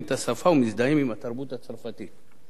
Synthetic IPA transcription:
tasafawmizdaimimataɾbutat͡saɾfati

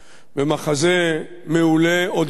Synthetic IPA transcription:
vemaχaze | meuleod̪

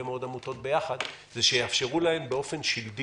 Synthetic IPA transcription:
emeod̪amuto̞t̪̚be̞jaχad̪ | zeʃejeafʃe̞ʁulahe̞mbeo̞fe̞nʃildi

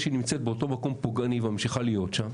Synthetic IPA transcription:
ʃinimt͡set̪̚beoto̞mako̞mpoɡaniveamʃiχalijo̞tʃam

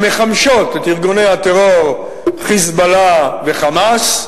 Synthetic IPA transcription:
me̞χamʃo̞t̪et̪iʁɡone̞hat̪eʁoʁ | χizbalave̞χamas

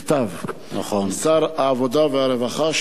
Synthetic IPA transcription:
t̪avna̰χonsaɾaːvod̪aveaɾevaχaʃ

